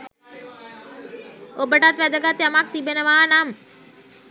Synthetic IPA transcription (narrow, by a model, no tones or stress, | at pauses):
obəʈat̪ʋæd̪əɡat̪jamak̚t̪ibenəʋaːnam